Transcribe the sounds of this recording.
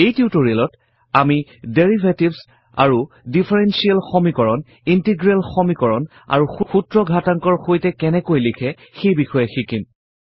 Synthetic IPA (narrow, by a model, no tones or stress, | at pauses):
ejtutoɹiɛlɔt | amideɹibʱetibs | a̰ɹu | dipʰaɹɛnsialxɔmikɔɹɔn | intiɡɹɛlxɔmikɔɹɔn | a̰ɹuxuxutɹɔɡʱataŋkɔɹxojtɛkɛnɛkojlikʰɛ | xejbixɔjɛxikim